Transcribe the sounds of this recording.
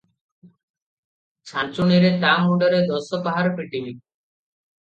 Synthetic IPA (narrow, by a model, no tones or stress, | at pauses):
t͡ɕʰant͡ɕuniɾet̪amuɳɖaɾed̪ɔsopaɦaɾpɾiʈimi